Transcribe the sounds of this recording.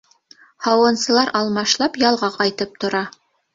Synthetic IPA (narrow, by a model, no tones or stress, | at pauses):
hɑwɤ̆nsɤ̆lˠɑɾʔɑlˠmɑʃlˠɑpjɑlˠʁɑqɑjt̪ɤp̚t̪ŏɾɑ